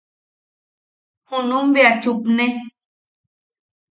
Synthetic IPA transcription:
honõmbeat͡ʃupnẽ

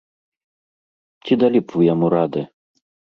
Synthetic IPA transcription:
t͡sʲid̪alʲipvujamuɾad̪ɨ

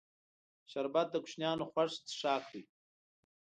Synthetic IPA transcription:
ʃaɾbat̪̚d̪əkʊ̥ʃnjɑːnoxwaʂt͡s̪ʂɑːkd̪i

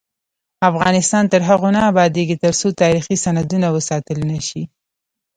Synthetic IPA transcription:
afɣɑnɪst̪ɑnt̪əɾɦaɣonaːbɑd̪eɡit̪əɾsot̪ɑɾixisanad̪unawəsɑt̪əlnaʃi

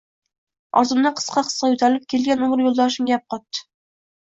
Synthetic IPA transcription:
ɒ̰ɾzɨmnɑqʰə̥sqɑqʰə̥sqɑjyt̪ʰæɾlɪp̚kʲelɡʲɛnuɴəɾjolˠd̪ɑʃ̬ɪmɡʲjɑp̚qɑt̪ːɨ̥

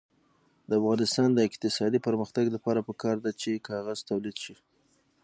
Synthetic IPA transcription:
d̪̥əafɣɑnɪst̪ɑnd̪əɪqt̪ɪsɑd̪ipəɾməxt̪aɡlapɑɾapəkɑɾd̪at͡ʃekɑɣaz̥t̪awlid̪ʃi

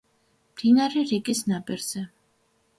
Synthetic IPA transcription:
md̪̥inaɾɛɾikʼisnabʼɛɾz̥ɛ

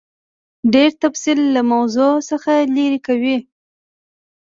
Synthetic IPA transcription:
ɖeɾt̪afsilːamawzosəxaliɾikawi

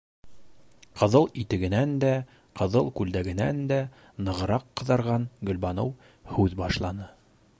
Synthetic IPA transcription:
qʰɤ̆ðɤlˠit̪ɘ̆ɡɘ̆nænd̪æ | qɤ̆ðɤlˠkʉld̪æɡɘ̆nænd̪æ | nɤ̆ʁɤ̆ɾɑqːɤ̆ðɑɾʁɑnɡɵ̆lbɑnɤ̰w | hʉðbɑʃlˠɑnɤ

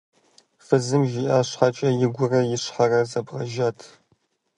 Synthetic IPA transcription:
fɨzɨmʒɪʔaːɕħat͡ʃʼɐjɪɡʷʊrɐjɪɕħarɐzɐbʁɐʒaːtʰ

